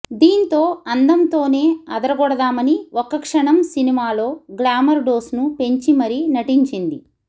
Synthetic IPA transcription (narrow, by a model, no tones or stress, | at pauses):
d̪iːnt̪o̞ːɐnd̪ɐmt̪o̞ːne̞ːɐ̰d̪ɐɾɐɡɔɽɐd̪aːmɐniɔkɐkʂɐɳɐmsinimaːlo̞ːɡlaːmɐɾɖo̞ːsnupe̞ɲt͡ʃimɐɾinɐʈiɲt͡ʃind̪i